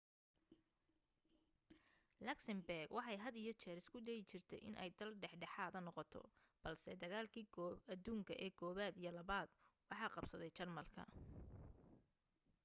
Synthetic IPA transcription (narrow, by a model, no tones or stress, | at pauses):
lɐksɐmbɛrɡwʔɑħɑjɦɐd̪ɪjɞt͡ʃɛːɾɪskʰʊd̪ɛjɪt͡ʃɪrt̪ʰɛ̰jʔɪ̰nʔɛ̰jd̪ɐlɖɛħɖɛħaːðɐnɔqɔt̪ʰɔ̰b̥ɐlsɛd̪ɐɣaːlkʰiːɐd̪uːŋkʰɐʔɛːɡʰɔːβaːd̪ijɔlɐβaːd̪wɑħɑːqɑbsɐðɛjt͡ʃɐrmɐlkʰɐ̰